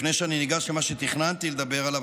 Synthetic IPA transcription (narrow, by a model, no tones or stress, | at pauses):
nejʃeaniniɡaʃlemaʃet̪iχnant̪ile̞d̪abe̞ʁalav